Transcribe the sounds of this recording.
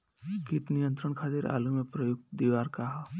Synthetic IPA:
kit̪nijə̃nt̪ɾəɳkʰaːt̪iɾa̰ːlumẽpɾəjʊɡ̪̚d̪iʋaːɾkaɦa

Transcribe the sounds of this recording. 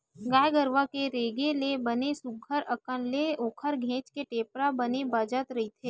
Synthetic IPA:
ɡaːjɡəɾʋakeɾeːɡelebənesʊɡʱəɾəkənleoːkʰəɾɡʱẽːt͡ʃkeʈeːpɾabənebaːd͡ʒət̪ɾɐɦit̪ʰeː

